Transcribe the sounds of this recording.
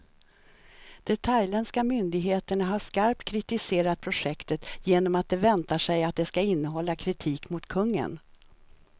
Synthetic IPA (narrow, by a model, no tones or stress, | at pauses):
d̪̥ɛt̪ʰajlɛnskamʏnd̪ɪɡɦeːt̪əɳaɦaʂkaɾp̚t̪kʰɾɪt̪ɪseːɾat̪̚pʰɾʊʂɛkt̪ət̪jeːnɔmat̪̚d̪ɛvɛnt̪aʂɛjat̪̚d̪ɛskaɪnːəɦɔlːakʰɾɪt̪ʰiːkmʊt̪kʰɵŋːə̰n